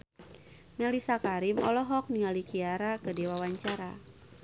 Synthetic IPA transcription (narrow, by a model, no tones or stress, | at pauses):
mɛlisakaɾimɔ̰lɔɦɔk̚niŋalikiaɾakədewawaɲt͡ʃaɾa